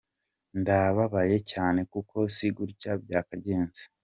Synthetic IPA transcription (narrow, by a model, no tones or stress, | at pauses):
ndaβaβaje̞caːne̞kukʰo̞siɡuɾɟab̚ɟaːkaɟe̞ːnze̥